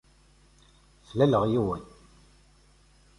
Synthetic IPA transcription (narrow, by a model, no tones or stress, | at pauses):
flæləʁjiwən